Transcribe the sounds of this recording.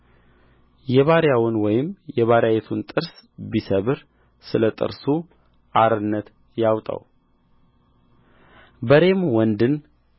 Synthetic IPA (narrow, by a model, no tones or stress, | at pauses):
jɛβaɾjawʊnwɔjɪmjɛβaɾjajet̪ʰunt̪ʼɨɾsbisəβɨɾ | sɨlət̪ʼɨ̰ɾsu | ʔaɾɨnːət̪ | jawt̪ʼə̰w | bəɾe̞mwɔnd̪ɨn